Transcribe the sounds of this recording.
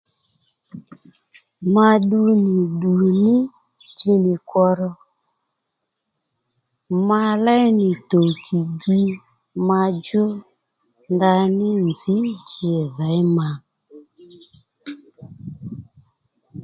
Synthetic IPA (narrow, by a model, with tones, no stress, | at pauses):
ma˧ɗu˧niɪ˨ɗu˨nɪ˦ | d͡ʒi˧˦nɪ˨kwɔ˧ɾɔ˧ | ma˧lɛ˦jnɪ˨to˨kʰi˨ɡi˦ | ma˧d͡ʒʊ˦ | nda˧nɪ˦nzi˨˦d͡ʒe˨ðɛ˨˦jma˧